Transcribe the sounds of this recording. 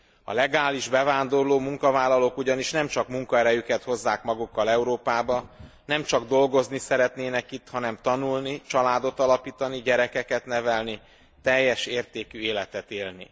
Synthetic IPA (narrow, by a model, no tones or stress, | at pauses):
ɒ̰lɛɡaːliʒbɛvaːnd̪o̞rloːmuŋkɒvaːlːɒlokuɟɒniʃnɛmt͡ʃɒkmuŋkɒɛɾɛjykɛt̪ho̞zːaːkmɒɡukːɒlɛuɾoːpaːbɒ | nɛmt͡ʃɒɡd̪o̞lɡo̞znisɛɾɛt̪neːnɛkit̪hɒnɛmt̪ɒnulnit͡ʃɒlaːd̪o̞t̪ɒlɒpiːt̪ɒniɟɛɾɛkɛkɛt̪nɛvɛlni | t̪ɛjːɛʃeːrt̪eːkyeːlɛt̪ɛt̪eːlnḭ